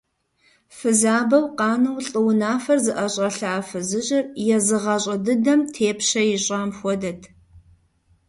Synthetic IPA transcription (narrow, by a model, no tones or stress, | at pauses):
fɨzaːbɐwqɑːnɐwɬʼɨwnaːfɐrzɨʔɐɕʼɐɬaːfɨzɨɕʼɪrjɛzɨʁɐɕʼɐdɨdɐmtʰeːpɕɐjɪɕʼaːmxʷɔdɐtʰ